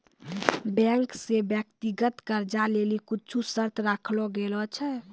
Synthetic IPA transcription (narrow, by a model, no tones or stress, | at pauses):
bɛ̃ŋksebjəkt̪iɡət̪kəɾd͡ʒalelikʊt͡ʃʰusəɾt̪ʰɾakʰlɔɡelɔt͡ʃʰɛ